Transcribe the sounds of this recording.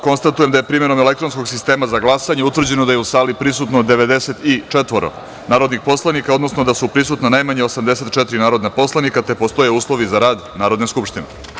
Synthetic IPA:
ko̞nst̪at̪uje̞md̪ajepɾiːme̞ɾo̞mele̞k̚t̪ɾo̞nsko̞ɡsist̪e̞ːmazaɡlˠasaɲeut̪vr̩d͡ʑe̞nod̪ajeusaːlipɾisut̪nod̪eʋe̞d̪e̞set̪it͡ʂet̪ʋo̞ɾo̞̰ | naːɾo̞d̪nixpo̞slˠanikaod̪no̞snod̪asupɾisut̪nanajmaɲeo̞samd̪e̞se̞t̪̚t͡ʃɛt̪ɾinaːɾo̞d̪napo̞slˠanikat̪epo̞st̪o̞jeuːslˠo̞ʋizaɾaːd̪naːɾo̞d̪neskupʃt̪inḛ

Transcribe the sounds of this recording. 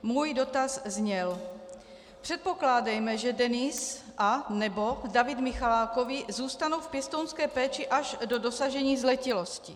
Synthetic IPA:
muːjdo̞t̪azzɲɛl | pr̝̥ɛt̪̚po̞klaːdɛjmɛʒɛdɛnɪsʔanɛbo̞davɪd̪mɪxalaːko̞vɪzuːst̪anowfpjɛst̪ownskɛːpɛːt͡ʃɪʔaʒdo̞do̞saʒɛɲiːzlɛcɪlo̞scɪ

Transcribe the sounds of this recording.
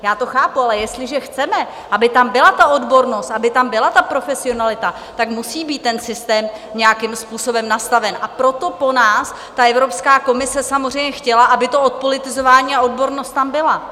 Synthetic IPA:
jaːt̪o̞xaːpualɛjɛst̪lɪʒɛxt͡sɛmɛ | ʔabɪt̪ambɪlat̪ao̞dbo̞ɾno̞st̪ʔabɪt̪ambɪlat̪apɾo̞fɛsɪo̞nalɪt̪a | t̪akmusiːbiːt̪ːɛnsɪst̪ɛːmɲɛjakɪmspuːso̞bɛmnast̪avɛnʔapɾo̞t̪o̞po̞naːs | t̪aʔɛvɾo̞pskaːko̞mɪsɛsamozrɛjmɲɛxcɛlaʔabɪt̪o̞ot̪̚po̞lɪt̪ɪzo̞vaːɲiːao̞dbo̞ɾnost̪t̪ambɪla

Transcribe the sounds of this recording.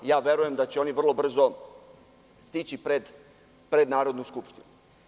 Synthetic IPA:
jaːʋe̞ɾuje̞md̪at͡ɕeo̞niʋr̩lˠo̞br̩zo | st̪it͡ɕipɾed̪ | pɾe̞d̪naːɾo̞d̪nuskupʃt̪inu

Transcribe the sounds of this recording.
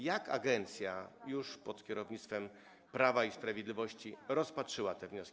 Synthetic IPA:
jakʰa̰ɡɛnt̪sʲjajuʂpɔt̪kʲɛɾɔvɲit̪st̪fɛm | pɾavaispɾavʲjed̪lʲivɔɕt͡ɕiɾɔspatʂɘwat̪ɛvɲɔskʲi

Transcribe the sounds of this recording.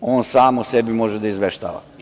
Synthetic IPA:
oːnsaːmosebimo̞ʒed̪aizʋeʃt̪a̰ːʋa̰

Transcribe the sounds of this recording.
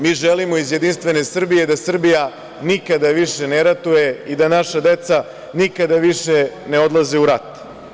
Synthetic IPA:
miːʒelimo̞izjed̪inst̪ʋe̞ne̞sr̩bije̞d̪asr̩bija | nikad̪aʋiʃeneɾat̪ujeid̪anaʃad̪e̞t̪sa | nikad̪aʋiʃene̞od̪laziuɾat̪

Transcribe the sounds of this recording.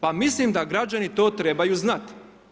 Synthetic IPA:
pamislimd̪aɡɾad͡ʑanit̪o̞ːt̪ɾebajuznat̪

